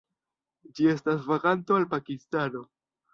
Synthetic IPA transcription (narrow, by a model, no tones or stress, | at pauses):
d͡ʒie̞stasvaɾanto̞alpakistano̞